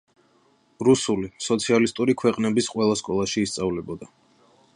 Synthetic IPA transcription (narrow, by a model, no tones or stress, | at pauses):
ɾusulisɔt̪sʰialist̪ʼuɾikʰwɛqʼnɛbisqʼwɛlˠaskʼɔlˠaʃiːst̪sʼavlɛbɔd̪a